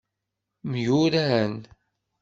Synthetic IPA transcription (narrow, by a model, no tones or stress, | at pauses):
mjuɾæən